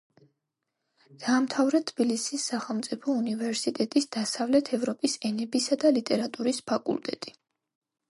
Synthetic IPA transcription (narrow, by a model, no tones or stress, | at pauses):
d̪̥aːmt̪ʰavɾɛt̪ʰːbilisisːaχɛlˠmt̪sʼipʰɔunivɛɾsit̪ʼɛt̪ʼisd̪̥asavlɛt̪ʰɛvɾɔpʼisɛnɛbisad̪alit̪ʼɛɾat̪ʼuɾispʰakʼṵlˠt̪ʼɛ̰t̪ʼi